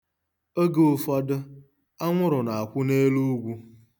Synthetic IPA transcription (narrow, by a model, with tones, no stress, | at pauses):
o˦ɡe˦ʊ˨fɔ˦dʊ˦ | a˦ŋʷʊ˦ɾʊ˨na˨a˨kʷʊ˦ne˦lu˦ɡʷu˦